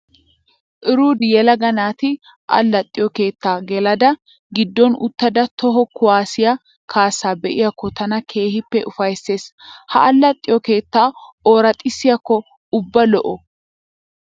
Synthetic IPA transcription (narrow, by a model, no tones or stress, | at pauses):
ʔɪɾuːd̪ɪjɛlɐɡɐnaːt̪ɪ | ʔɐ̰lːɐt̪ʼːɪjɔke̞ːt̪ːaːɡɛlɐd̪ɐ | ɡɪd̪ːɔnʊ̰t̪ːɐd̪ɐt̪ɔɦɔkʊwaːsɪjɐ | kʰaːsːaːbɛʔɪjakːɔt̪ɐnɐkʰe̞ːhɪpːɛʔʊfɐjsːe̞ːshɐʔɐlːɐt̪ʼːɪjɔke̞ːt̪ːaːoːɾɐt̪ʼːɪsːɪjɐkːɔ | ʊbːɐlɔʔɔ